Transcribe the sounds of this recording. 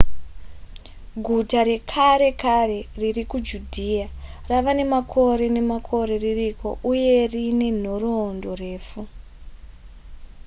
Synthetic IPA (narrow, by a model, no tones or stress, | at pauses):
ɡʱutaɾe̞kʰaɾe̞kare̞ririkud͡ʒudʱiaraʋane̞makʰo̞ɾe̞ne̞makʰo̞ɾe̞ririko̞̰ʔuje̞rine̞n̤o̞roːndo̞re̞ːfu